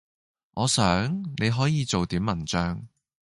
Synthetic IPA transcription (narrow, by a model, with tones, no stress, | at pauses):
ŋʔɔː˨˧sœː˨˥ŋne˨˧jɦɔː˨˥jiː˨˧t͡so˨wt̪iː˨˥mːɐ˨˩nt͡ʃœː˧ŋ